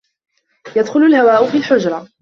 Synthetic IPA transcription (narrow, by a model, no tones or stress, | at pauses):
jad̪xʊlʊlhawaːʔʊfiːlħʊd͡ʒɾˤɑ